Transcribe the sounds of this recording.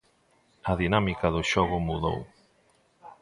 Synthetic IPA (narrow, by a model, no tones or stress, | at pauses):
ɐðinamikaðʊʃɔɣʊmuðo̰w